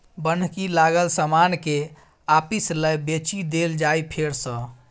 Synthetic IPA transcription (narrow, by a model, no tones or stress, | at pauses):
bənʱkilaɡəlsəmanke | apisləjbet͡ʃid̪eld͡ʒajpʰeɾsə̃